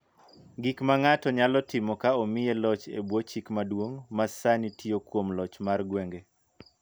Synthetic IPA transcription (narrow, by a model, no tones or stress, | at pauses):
ɡikmaŋatɔɲalɔtɪmɔkaɔmɪjelɔt͡ʃḛbwot͡ʃikmadwoŋmasanitʰiokwomlɔt͡ʃmarɡweŋɡe